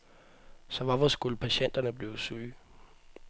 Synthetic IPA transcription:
sɒ̽ʋɑ̈ʋɒsɡ̥ulpʰæɕen̰d̥ɐnəb̥liːʊsyː

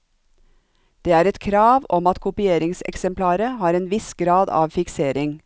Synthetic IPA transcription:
d̪̥eːæːɾɛt̪kʰɾɑːʋɔmɑt̪kʰʊpɪeːɾɪŋsɛ̰ksɛmpʰlɑːɾəhɑːɾeːnʋɪsɡɾɑːd̪ɑ̰ːʋfɪkseːɾɪŋ

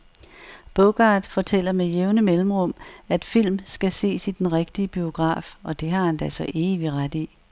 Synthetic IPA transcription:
b̥ɔɡ̥ɑ̈d̥fɒ̽t͡sʰel̰ɐmejeʊnəmelm̩ʁɔ̽m̰æd̥fil̰msɡ̥æse̝̰ːsid̥enʁeɡ̥d̥iəb̥io̝ɡ̥ʁɑ̰̈ːfɒ̽d̥e̝ɦɑ̈hænd̥æsɒ̽ʔe̝ːʋiʁad̥i

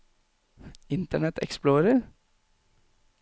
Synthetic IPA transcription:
ɪnt̪əɳɛt̪ʰɛ̰ksploːɾəɾ

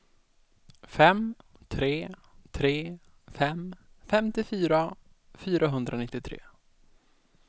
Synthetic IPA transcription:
fɛm | t̪ʰɾeː | t̪ʰɾeː | fɛm | fɛmt̪ɪfyːɾa | fyːɾaɦɵnd̪ɾʔanɪt̪ːɪt̪ʰɾḛː

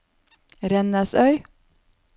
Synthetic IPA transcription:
ɾɛnəsœʏ

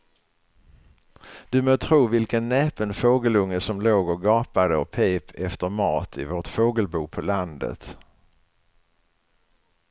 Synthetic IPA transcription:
d̪̥ɵmoːt̪ʰɾuːvɪlkənːeːpənfoːɡəlɵŋːəsɔmloːɡɔɡɑːpad̪əɔpʰeːpʰɛft̪əɾmɑːt̪ʰɪvoːʈfoːɡəlbuːpʰɔland̪ə̰t̪

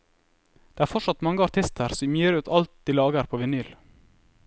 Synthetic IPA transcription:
d̪̥eːæːɾfɔʂɑt̪mɑŋːəɑɾt̪ʰɪst̪ʰəɾsɔmjyːɾʉːt̪ʰɑlt̪̚d̪̥iːlɑːɡəɾpʰoːʋɛnyːl

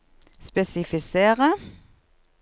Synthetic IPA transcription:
spɛsɪfɪseːʁə

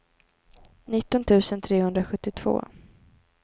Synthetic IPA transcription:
nɪt̪ːɔnt̪ʰʉ̟ːsənt̪ʰɾeːhɵnd̪ɾaɧɵt̪ːɪt̪ʰv̥o̰ː

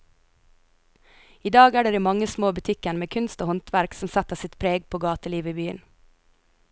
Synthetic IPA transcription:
iːd̪ɑːɡæːɖeːɾiːmɑŋəsmoːbʉt̪ʰɪkəɳmeːkʰʉnst̪oːhɔnt̪ʋæɾksɔm̩sæt̪əsɪt̪pʰɾeːɡpʰoːɡɑːt̪əliːʋəiːbyːə̰n

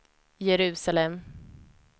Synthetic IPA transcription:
jɛɾʉ̟ːsalɛm

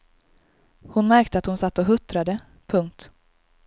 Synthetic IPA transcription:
hʊnmæɾkt̪əat̪hʊnsat̪ːɔɦɵt̪ɾad̪ə | pʰɵŋk̚t̪

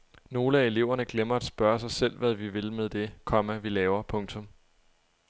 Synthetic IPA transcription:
no̝ːləæe̝le̝ʊ̰ɐnəɡ̥lemɐæd̥sb̥ɶɐsɑ̈ɪsel̰ʋæðˠʋiʋe̝lmeðˠd̥e̝kʰɒ̽mæʋilɛːʊɐpʰɔ̽ŋt͡sʰɔ̽m

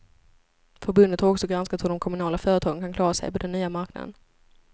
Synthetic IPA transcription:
fœɾbɵnd̪ət̪haɾɔksɔɡɾanskat̪hʊd̪ɔmkʰɔmɵnɑːlafœːɾət̪ʰɑːɡənkʰankʰlɑːɾasɛ̰jpʰɔd̪ɛnːyːamaɾkna̰d̪ə̰n

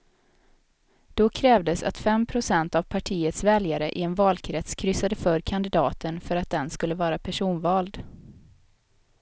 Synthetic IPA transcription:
d̪̥ɔkʰɾɛːvd̪əsa̰t̪fɛmpʰɾʊsɛnt̪avpʰaʈʰiːət̪svɛljaɾəʔɪɛnvɑːlkʰɾɛt̪skʰɾʏsːad̪əfœɾkʰand̪ɪd̪ɑːt̪ənfœɾat̪̚d̪ɛnskɵlːəvɑːɾapʰæʂuːnvɑːld̪

